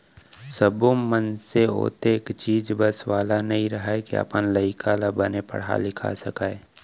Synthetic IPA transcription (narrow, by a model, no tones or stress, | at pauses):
səbõmənseo̰ːt̪ekt͡ʃiːd͡ʒbəswaːlanɐɦĩɾɐɦaekia̰pənləikʰalabənepə̰ɽ̤a̰lɪkʰa̰səkaːe